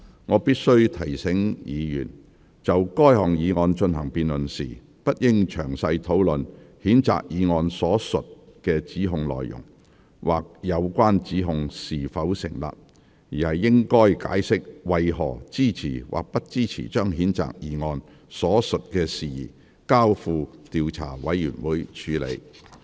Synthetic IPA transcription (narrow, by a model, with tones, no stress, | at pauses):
ŋɔː˨˧piː˥t̚sɵ˥ɥt̪ʰɐ˨˩jsɪ˨˥ŋjiː˨˧jy̰ː˨˩n | t͡sɐ˨wkɔː˥jɦɔː˨˩ŋjiː˨˧ŋɔː˧nt͡ʃɵ˧nɦɐ˨˩ŋpiː˨nlɵ˨nsḭː˨˩ | pɐ˥t̚jɪ˥ŋt͡ʃʰœ̰ː˨˩ŋsɐ˧jt̪ʰo˨˥wlɵ˨nhiː˨˥nt͡sa̰ː˨k̚jiː˨˧ŋɔː˧nsɔː˨˥sɵ˨t̚kɛː˧t͡siː˨˥ɦʊ˨˧ŋlɔ̰ː˨jjʊ̰˨˩ŋ | waː˨k̚jɐ˨˧wkʷaː˥nt͡siː˨˥ɦʊ˧ŋsiː˨˩fɐ˨˥wsɪ̰˨˩ŋla̰ː˨p̚ | jiː˨˩hɐ˨jːɪ˥ŋkɔː˥jka̰ː˨˥jsɪ˥k̚wɐ˨jɦɔ̰ː˨˩t͡siː˥t͡sʰḭː˨˩wʔa̰ː˨˩k̚pɐ˥t̚t͡siː˥t͡sʰḭː˨˩t͡ʃœː˥ŋɦiː˨˥nt͡sa̰ː˨k̚jiː˨˧ŋɔː˧n | sɔː˨˥sɵ˨t̚kɛː˧siː˨˩jḭː˨˩ | kaː˥wfuː˧t̪iː˨˧wt͡sʰa̰ː˨˩wɐ˨˥jjyː˨˩nwuː˨˥jt͡ʃʰyː˨˧˥lḛ˨˧j